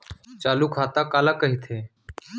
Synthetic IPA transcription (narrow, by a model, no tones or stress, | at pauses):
t͡ʃaːluːkʰaːt̪aːkaːlaːkəɦiːt̪ʰeː